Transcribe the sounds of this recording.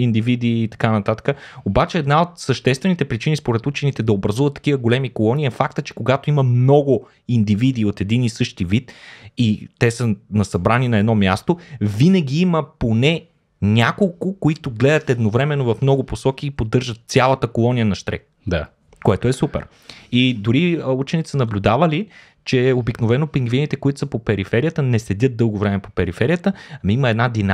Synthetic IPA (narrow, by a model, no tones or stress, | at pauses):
ind̪ivid̪iːt̪ɐ̥kanɐt̪at̪ə̥kəobat͡ʃɛːd̪naot̪səʃt̪ɛst̪vɛnit̪ɛpɾit͡ʃinispoɾɛt̪ut͡ʃɛnit̪ɛd̪ɐobɾɐzuvɐt̪ːɐ̥kivəɡolɛmikolˠɔniɛfakt̪ət͡ʃɛ̥koɡat̪oimɐmnɔɡʊ | ind̪ivid̪iːot̪ɛd̪inisɤʃt̪ivit̪it̪ɛsənɐsɐbɾaninɐɛd̪nɔmʲjast̪ovinəɡ̟iiməponɛ | nʲakolˠkʊkoit̪ʊɡlɛd̪ɐt̪ɛd̪novɾɛmɛnːovɐfmnɔɡʊposɔkiːpod̪ɤɾʒət̪̚sʲalˠɐt̪əkolˠɔnijənɐʃt̪ɾɛ̰k | d̪a | koɛt̪oɛsupɛ̰ɾ | id̪ʊɾiut͡ʃɛnit̪sənɐblʲʊd̪avɐli | t͡ʃɛobiknovɛnopiŋɡvinit̪ɛkoit̪ʊ̥səpopɛɾifɛɾijət̪ənɛslɛd̪ʲət̪̚d̪ɤlˠɡovɾɛmɛpopɛɾifɛɾijət̪əɐmiməɛd̪nad̪ina